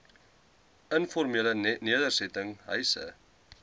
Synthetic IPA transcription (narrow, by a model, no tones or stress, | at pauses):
ənfɔrmiələniədərsɛtəŋɦœ̰jsə̰